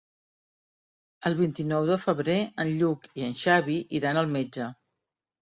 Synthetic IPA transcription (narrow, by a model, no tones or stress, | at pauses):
əlˠβint̪inɔwðəfəβɾeənʎukiənʃaβiʔiɾanəlˠmed͡ʒə